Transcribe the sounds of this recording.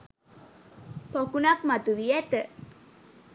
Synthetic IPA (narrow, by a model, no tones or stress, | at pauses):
pɔkunak̚mat̪uwiɛt̪ə